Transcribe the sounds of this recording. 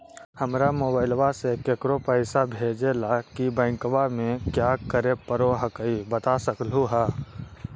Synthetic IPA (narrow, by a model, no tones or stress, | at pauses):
həmɾamoːbaːɪlʋasekekɾopəɪsabʱeːd͡ʒelakibɛ̃ɪ̃ŋkwamẽkjakəɾepəɾoɦəkəibət̪asəkluɦaː